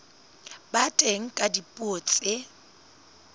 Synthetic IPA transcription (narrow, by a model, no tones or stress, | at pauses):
batʼeŋ̩kʼadipʼoːt͡sʼɪ